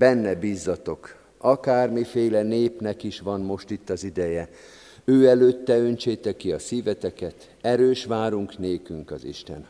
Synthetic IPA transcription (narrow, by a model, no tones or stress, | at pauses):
b̥ɛnːɛbiːzːɒt̪o̞k | ɒkaːrmifeːlɛneːpnɛkiʃʋɒnmo̞ʃt̪it̪ːɒzid̪ɛjɛ | øːɛløːt̪ːɛønt͡ʃeːt̪ɛkːiɒsiːvɛt̪ɛkɛt̪ | ɛɾøːʃʋaːɾuŋkneːkyŋkɒzḭʃt̪ɛ̰n